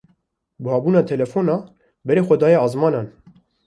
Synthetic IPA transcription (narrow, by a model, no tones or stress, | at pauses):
bɨhɑːbuːnɑːt̪ʰɛlɛfonɑː | bɛɾeːxʷɛd̪ɑːjɛɑːzmɑːnɑːn